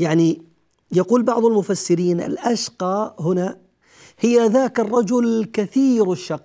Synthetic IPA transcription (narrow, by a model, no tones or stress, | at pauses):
jaʕni | jaquːlbɑʕðˤalmʊfasːɪɾiːnʔɪ̰lʔaʃqɑːhʊna | hɪjːaðaːkɑrˤːɑd͡ʒʊlkaθiːɾɪʃːɑqː